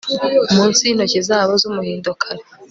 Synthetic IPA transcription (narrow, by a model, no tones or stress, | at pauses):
umuːnsinocezaːβo̞zumuhiːndokʰaɾo